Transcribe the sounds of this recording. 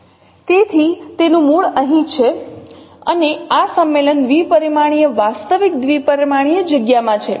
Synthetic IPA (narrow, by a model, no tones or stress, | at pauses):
t̪et̪ʰit̪enũmuɭəɦĩt͡ʃʰe | ə̰neasəmːelənd̪ʋipəɾimaɽ̃ijəʋast̪əʋik̚d̪ʋipəɾimaɽ̃ijəd͡ʒəɡjamãt͡ʃʰe